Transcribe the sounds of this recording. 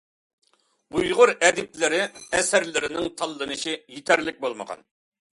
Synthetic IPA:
ujʁʊɾɛd̪ɪplɪɾɪɛsæɾlɪɾɪnɪŋt̪ʰɑlˠːɨnɨʃijit̪ʰæɾlɪk̚ʲbolˠmə̰ʁɑ̰n

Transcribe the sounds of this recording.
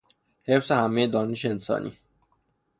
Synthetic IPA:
he̞fsehæmejed̪ɒːneʃeensɒ̰ːnʔḭː

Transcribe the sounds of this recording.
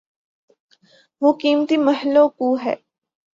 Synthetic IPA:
ʋoːkiːmt̪imɐɦɪlːokuːɦɛ̰ː

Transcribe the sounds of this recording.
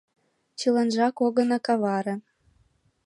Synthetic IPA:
t͡ɕilɑ̆nʒɑkoɣɤ̆nɑ̆kɑβɑɾɤ̆n

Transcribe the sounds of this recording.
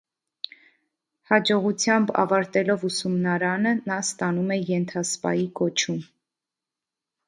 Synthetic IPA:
hɑd͡ʒɔʁut͡sʰjɑmbɑ̰vɑɾt̪ɛlɔvusumnɑɾɑnənɑst̪ɑnumɛjɛnt̪ʰɑspɑ̰jikɔt͡ʃʰum

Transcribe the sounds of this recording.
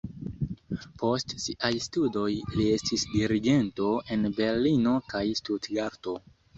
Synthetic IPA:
po̞stsiʔajstudo̞jlie̞stisdiɾiɡe̞nto̞e̞nbe̞ɾlino̞kajstudɡaɾto̞

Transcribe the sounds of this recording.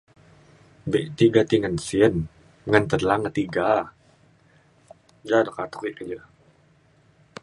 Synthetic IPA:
beʔt̪iɡat̪iŋənsiən | ŋənt̪ədlaŋət̪iɡa | d͡ʒadɔkat̪u̥kiʔkəd͡ʒə

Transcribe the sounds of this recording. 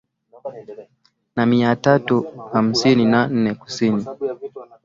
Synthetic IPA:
namiatatuham̩sininan̩nɛku̥sini

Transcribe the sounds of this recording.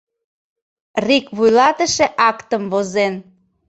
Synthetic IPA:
rikβujlɑt̪əʃeʔɑkt̪əmβozen

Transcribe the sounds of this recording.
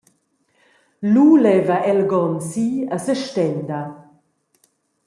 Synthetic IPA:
lulɛvaʔɛlɡɔnsiəsəʃtɛnd̪ɐ

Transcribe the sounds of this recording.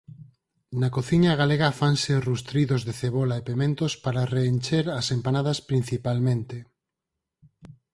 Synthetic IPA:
nakoθiɲaɣaleɣɐfanserust̪ɾiðozðeθeβolaepemẽnt̪ospaɾareːnt͡ʃeɾɐsempanaðɐspɾin̟θipalmẽnt̪e

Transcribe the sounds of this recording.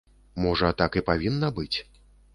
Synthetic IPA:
mɔʐɐat̪akɨpavʲinːɐbɨt͡sʲ

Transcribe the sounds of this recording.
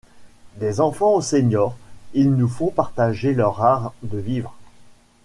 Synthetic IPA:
d̪ezɑ̃fɑ̃oseɲɔːʁilnufɔ̃paʁt̪aʒelœʁaʁd̪əvivʁ

